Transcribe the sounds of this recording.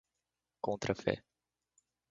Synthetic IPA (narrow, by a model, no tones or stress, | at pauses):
kõnt̪ɾəfḛ